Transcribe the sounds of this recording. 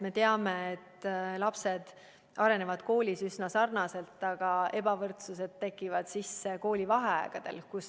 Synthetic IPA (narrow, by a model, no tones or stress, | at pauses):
me̞t̪e̞ɑme̞et̪ːlɑpse̞d̪̥ | ɑɾe̞ne̞vɑd̪̥ko̞ːlʲisysnɑsɑrnɑse̞lt̪ːˑɑɡ̥ɑe̞bɑvɤrt̪sus̬e̞d̪̥̚t̪e̞kːˑivɑd̪̥sisːe̞ko̞ːlʲivɑɦe̞ɑ̰ːɡ̥ɑd̪̥e̞̰lkus